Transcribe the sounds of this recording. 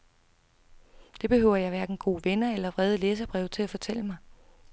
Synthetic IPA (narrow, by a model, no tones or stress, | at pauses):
d̥e̝b̥e̝høʊ̰ɐjɑ̈ɪʋæɐɡ̥n̩ɡ̥o̝̰ːʋenɐelɐʋʁɛð̞ˠəleːs̬ɐb̥ʁɛʊt͡sʰe̝æfɒ̽t͡sʰel̰əmɑ̈ɪ